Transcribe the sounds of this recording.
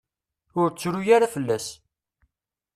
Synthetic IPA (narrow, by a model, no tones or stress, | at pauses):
ʊɾt͡sːɾujaɾafəlːæs